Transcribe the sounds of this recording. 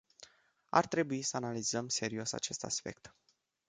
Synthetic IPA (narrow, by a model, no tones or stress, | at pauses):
a̰rt̪ɾe̞buisəanalizəmse̞ɾio̞sa̰t͡ʃe̞st̪a̰spe̞̰k̚t̪